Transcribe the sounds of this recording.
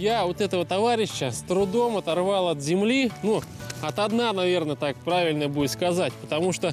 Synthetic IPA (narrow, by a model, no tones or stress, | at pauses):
javot̪ɛt̪əvət̪ɐvaɾʲɪɕːəst̪ɾʊd̪o̞mɐt̪ɐrvɑlˠɐt̪zʲɪmlʲinuɐt̪ɐd̪nanɐvʲe̞rnət̪ak̚pɾavʲɪlʲnəjəbujɪt̪skɐzatʲpə̥t̪ɐmuʂt̪o